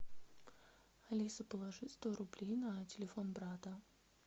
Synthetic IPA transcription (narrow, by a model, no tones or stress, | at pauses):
ɐlʲisəpəlˠɐʐɨtʲst̪oɾʊblʲejnətʲɪlʲɪfo̞nbɾat̪ə